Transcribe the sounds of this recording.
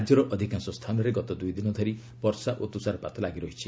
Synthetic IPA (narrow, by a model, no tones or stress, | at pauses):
d͡ʒɔɾɔʔɔd̪ʱikansɔst̪ʰanɔɾeɡɔt̪ɔd̪ujd̪inɔd̪ʱɔɾi | pɔɾsaʔot̪usaɾɔpat̪ɔlaɡiɾɔɦit͡ʃʰi